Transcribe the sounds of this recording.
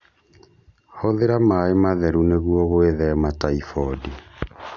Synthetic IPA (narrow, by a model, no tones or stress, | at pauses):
hɔðeɾamaemaðɛɾuneɣwɔɣweðɛmataifɔdi